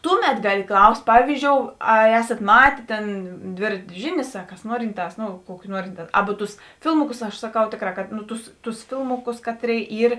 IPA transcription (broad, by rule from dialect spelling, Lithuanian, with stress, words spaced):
ˈtʊˌmʲɛt ˈɡɑːlʲɪ ˈklˠɐʊsʲtʲ ˈpɑːʋʲiːzʲd͡ʒʲoːʊ ɐr ˈæːsɐt ˈmɑːtʲeː ˈtʲeːn ˈdʲʋʲeːrɐtʲeː ˈʒʲɪˌnʲeːs ɐ kɐs ˈnuɔrʲɪnˌtɑːs ˈnʊ ˈkuɔkʲɪ ˈnuɔrʲɪnˌtɑː ˈɑːbʊ ˈtʊs ˈfʲɪlˠmʊˌkʊs ɐʃ sɐˈkɐʊ ˈtʲeːkˌrɑː kɐt nʊ ˈtʊs ˈtʊs ˈfʲɪlˠmʊˌkʊs ˈkɑːtʲˌrʲeːɪ ˈiːr